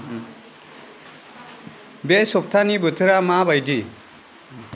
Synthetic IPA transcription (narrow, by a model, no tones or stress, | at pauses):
besɔp̚tʰanibɯtʰɯɾamabajdi